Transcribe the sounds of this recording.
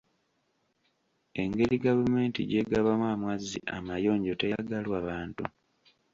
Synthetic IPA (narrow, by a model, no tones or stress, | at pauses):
e̞ŋɡe̞ɾiɡavume̞ːntḭɟe̞ɡaβamwaːmwazːḭʔamajo̞ːɲɟo̞tejaɡalwaβaːntu